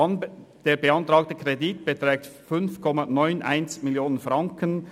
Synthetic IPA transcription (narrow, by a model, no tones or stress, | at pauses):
nd̥eːɐbəɑntɾɑːk̚təkʰʁeditb̥ətɾɛːk̚tfʏnfkʰɔmɑnɔʏnʔa̰ɪnsmiljoːnənfrɑŋkən